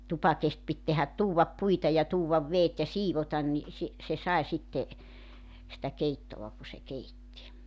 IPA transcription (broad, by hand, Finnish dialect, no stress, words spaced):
tupɑkest pit tehæt tuːwʋɑp puitɑ jɑ tuːwʋɑʋ ʋeːt jɑ siːʋotɑn ni si se sɑe sitːe sĭtæ keitːoʋɑ ku se keitːi